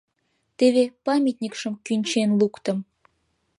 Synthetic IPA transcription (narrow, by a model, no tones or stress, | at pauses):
t̪eβepɑmʲit̪nʲikʃəmkynʲt͡ɕenlukt̪ə̆m